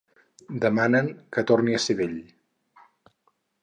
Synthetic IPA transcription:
d̪əmanəŋkət̪orniəseβeʎ

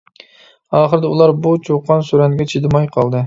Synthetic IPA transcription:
ɑːχəɾɨd̪ɛulˠɑɾbut͡ʃʰoqʰːɑnsyɾɛnɡʲɛt͡ʃʰid̪ɪmɑjqʰɑlˠd̪ɨ

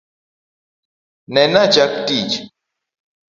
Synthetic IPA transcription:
nɛnad͡ʒakdid͡ʒ

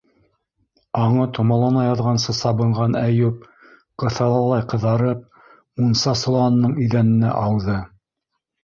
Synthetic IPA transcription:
ɑɴɤt̪ʰŏmɑlˠɑnɑjɑðʁɑnsɤsɑβɤ̆ɴɢɑnæjʉp̚ | qɤ̆θɑlˠɑlˠɑjqɤ̆ðɑɾɤp̚ | unsɑsŏlˠɑnːɤɴiðænɘ̆næ̰ʔɑwðɤ

